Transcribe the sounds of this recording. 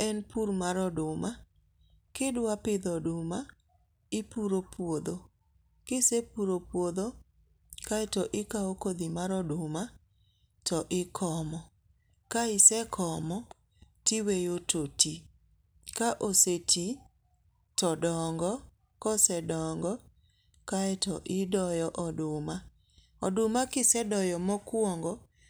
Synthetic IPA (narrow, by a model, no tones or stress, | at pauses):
ɛnpuɾmaɾɔdʊma | kɪdwapɪd̪ɔdʊma | ɪpuɾopwod̪o | kɪsepuɾopwod̪o | kaɛtɔʔɪkaokod̪imaɾɔdʊma | tɔʔɪkʰɔmɔ | kaɪsɛkʰɔmɔ | tiwejototi | kaʔoseti | tɔdɔŋɡɔ | kɔsɛdɔŋɡɔ | kaɛtɔʔɪdɔjɔʔɔdʊma | ɔdʊmakɪsɛdɔjɔmɔkwɔŋɡɔ